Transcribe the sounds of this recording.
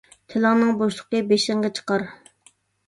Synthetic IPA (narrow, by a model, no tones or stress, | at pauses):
t̪ʰɪlɑŋnɨŋboʃlˠəqəbeʃɪŋʁɑt͡ʃʰə̥qɑɾ